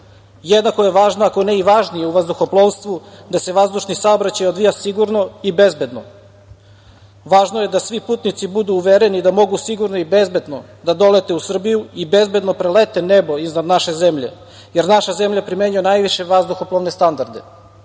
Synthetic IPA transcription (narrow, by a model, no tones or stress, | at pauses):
jed̪nako̞je̞ʋaːʒnoakoneiʋaʒnije̞uʋazd̪uxoplˠoʋst̪ʋud̪ase̞ʋazd̪uʃnisaobɾat͡ɕajod̪ʋijasiɡuɾno̞ibe̞zbe̞d̪no̞̰ | ʋaːʒnoje̞d̪asʋipuːt̪nit̪sibud̪uːʋeɾenid̪amo̞ɡusiɡuɾnoibe̞zbe̞d̪no̞ | d̪ad̪o̞le̞t̪e̞usr̩bijuibe̞zbe̞d̪no̞pɾelet̪ene̞bo̞iznad̪naʃe̞ze̞mʎe̞̰ | je̞ɾnaʃaze̞mʎapɾimeɲujenajʋiʃe̞ʋazd̪uxoplˠoʋnest̪and̪aɾd̪e